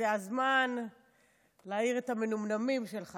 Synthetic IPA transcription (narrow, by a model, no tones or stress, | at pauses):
eazman | laːiʁetamenumnamimʃelχa